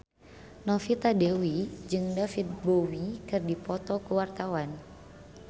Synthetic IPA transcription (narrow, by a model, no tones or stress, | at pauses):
nɔfit̪adewid͡ʒɨŋdafit̪̚bowikɨrdipɔt̪ɔkuwart̪awan